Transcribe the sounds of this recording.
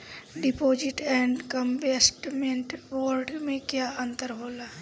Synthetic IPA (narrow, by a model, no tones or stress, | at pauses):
ɖɪpoːd͡ʒɪʈɛ̃ːɳɖkəmbesʈmẽɳʈboːɾɖmẽkjaːə̃nt̪əɾɦoːlaː